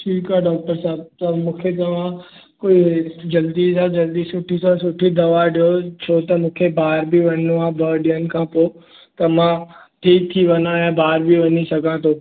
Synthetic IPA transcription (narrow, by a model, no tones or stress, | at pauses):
siːkaɖɔːk̚ʈəɾsaːb̚t̪ɐmũːkʰet̪ɐʋã | koːid͡ʒɐld̪izãd͡ʒɐld̪isʊʈʰisãsʊʈʰːid̪ɐʋaɖijot͡ʃʰoːt̪ɐmũːkʰebʱaːɾbʱiʋɐnʋãbəːɖijənɪ̆kʰãːpoː | t̪ɐmã | ʈʰiːkt̪ʰiʋɐnãjãbʱaːɾbʱiʋɐnisɐɡʱãt̪ʰoː